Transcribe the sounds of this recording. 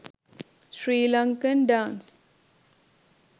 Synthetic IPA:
ʃɾiːlʌ̃ŋkənɖãːns

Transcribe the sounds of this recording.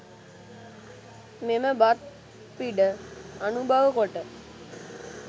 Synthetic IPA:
meməbat̪̚ | piɖəanubʱaʋəkoʈə

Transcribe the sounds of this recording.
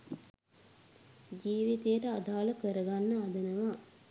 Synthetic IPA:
d͡ʒiːʋit̪ejəʈəad̪aːləkəɾəɡanːəad̪ənəʋa

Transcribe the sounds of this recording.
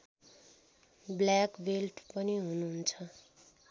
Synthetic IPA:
blakbelʈpʌniɦunuɦnt͡sʰʌ

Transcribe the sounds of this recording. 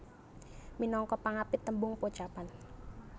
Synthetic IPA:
minɔŋkɔpaŋapɪt̪ːəmbʊŋpot͡ʃapan

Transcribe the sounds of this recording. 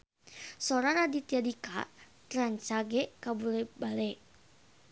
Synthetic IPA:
sɔɾaɾadit̪iadika̰t̪ɾaɲt͡ʃaɡɛkabulɛbalɛ

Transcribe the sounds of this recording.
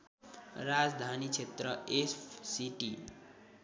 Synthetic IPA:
ɾad͡zd̪ʱanit͡ʃʰet̪rʌepsiʈi

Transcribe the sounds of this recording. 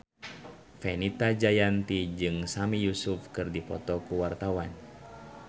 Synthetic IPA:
fɛnit̪ad͡ʒajant̪id͡ʒɨŋsamijusufkɨrdipɔ̰t̪ɔkuwart̪awan

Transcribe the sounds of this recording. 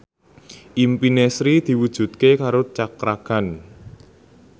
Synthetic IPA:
ʔimpinesɾid̪̥i̤wud̥ʒ̥ṳt̪̚kekaɾot͡ʃakɾakan

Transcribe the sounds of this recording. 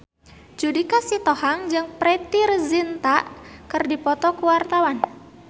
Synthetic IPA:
d͡ʒudikasit̪ɔhaŋd͡ʒɨŋpɾɛt̪irzint̪aʔkɨrdipɔt̪ɔkuwart̪awan

